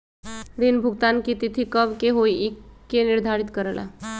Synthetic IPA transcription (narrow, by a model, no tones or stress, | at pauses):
ɾinbʱuɡt̪ankit̪it̪ʰikəbkeɦoiikːeniɾd̪ʱaɾit̪kəɾəla̰